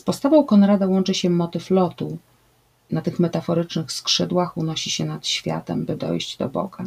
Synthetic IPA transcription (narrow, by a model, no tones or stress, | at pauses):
spɔst̪avɔ̃w̃kɔnɾad̪awɔnt͡ʂɘɕɛmɔt̪ɘflɔt̪u | nat̪ɘxmɛt̪afɔɾɘt͡ʂnɘxskʂɘd̪waxunɔɕiɕɛnat̪ɕfʲja̰t̪ɛ̰mbɘd̪ɔ̰jʑd͡ʑd̪ɔ̰bɔ̰ɡ̥a